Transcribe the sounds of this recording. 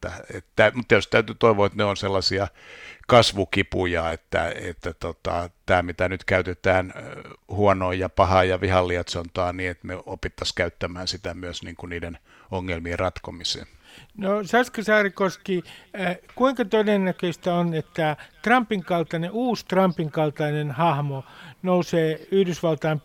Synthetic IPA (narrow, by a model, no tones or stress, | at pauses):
æet̪t̪æymut̪ːjost̪æyt̪yt̪oiʋoet̪neonselːɑsiɑkɑsʋukipujɑet̪ːæ̰ḛt̪ːæt̪ot̪ɑ̰t̪æːmit̪ænyt̪kæyt̪et̪æːnhuɔnoijjɑpɑhɑːjɑʋihɑlːiɑt̪sont̪ɑːniːet̪neopit̪ːɑskæyt̪ːæmæːnsit̪æmyøsniːŋkuniːden | oŋːelmierrɑt̪komisḛːnosɑskɑsɑːrikoski | kuiŋkɑt̪odennækøist̪æonet̪ːæt̪rɑmpːiŋkɑlt̪ɑneuːst̪rɑmpiŋkɑlt̪ɑinenhɑhmonouseːyhdysʋɑlt̪ɑːm